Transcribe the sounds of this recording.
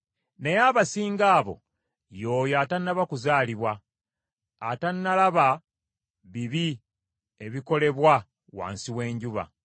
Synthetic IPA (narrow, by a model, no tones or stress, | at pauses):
ne̞jaːβasiːŋɡaːβo̞̰ | jo̞ːjatanːaβakuzaːliβwaː | tanːalaβa | βiβi | e̞βiko̞le̞βwa | wa̰ːnsiwe̞ːɲɟuβa̰